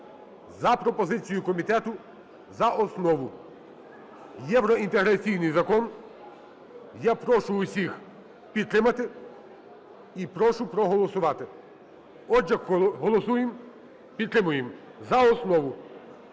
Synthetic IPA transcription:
zɐpɾɔpɔzɪt͡sʲijʊkɔmʲit̪ɛt̪ʊ | zɐʔɔsnɔʋʊ | jɛʋɾɔint̪eɦɾɐt͡sʲijnɪjzɐkɔn | japɾɔʃʊʊsʲix | pʲid̪̚t̪ɾɪmɐt̪ɪ | ipɾɔʃʊpɾɔɦɔlˠɔsʊʋɑt̪ɪ | ɔd͡ʒɐkɦɔlˠɔsujem | pʲid̪t̪ɾɪmʊjem | zɐɔsnɔʋʊ

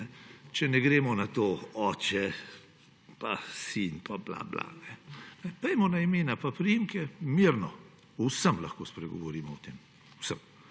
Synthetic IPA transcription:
nɛt͡ʃɛnɛɡɾeːmɔnat̪oɔːt͡ʃɛ | pasinpʰabla̰bla̰nɛnɛpɛjmɔnaimeːnapapɾiimkɛmiɾnɔ | usəmlaxkospɾɛɡɔʋɔɾiːmɔɔt̪eːm | uwsəm

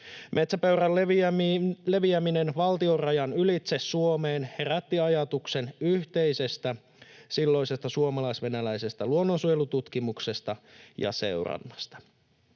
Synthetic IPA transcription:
mʔe̞t̪sæpøyræl | le̞ʋiæminenʋɑlt̪io̞rɑjɑnylit̪se̞sːuomeːnhe̞ræt̪ːiɑjɑt̪ukse̞nyht̪e̞jse̞st̪æ | silːo̞isest̪ɑsuomɑlɑisʋe̞nælæjse̞st̪æluonːonsujelut̪ut̪kimukse̞st̪ɑjɑ̰se̞̰wrɑ̰nːɑst̪ɑ̥

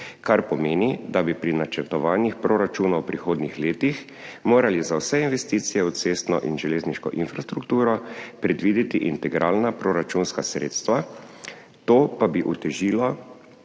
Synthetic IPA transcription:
kaɾpɔmeːnid̪abipɾinat͡ʃɛɾt̪ɔʋaːnjixpɾoɾat͡ʃuːnawpɾixoːd̪nixleːt̪ix | moːɾalizawsɛinʋɛst̪iːt̪sijɛut̪seːst̪nɔ̰ʔinʒɛleːzniʃkɔ̰ʔinfɾast̪ɾukt̪uːɾɔpɾɛd̪ʋiːd̪it̪iʔint̪ɛɡɾʔaːlnapɾoɾat͡ʃunskasɾḛːt̪st̪ʋa | t̪oːpabiʔut̪ɛʒiːlɔ

